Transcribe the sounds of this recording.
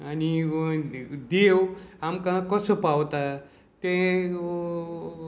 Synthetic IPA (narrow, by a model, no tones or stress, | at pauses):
ani | d̪ewamkãkʌsəpawt̪a | t̪ẽ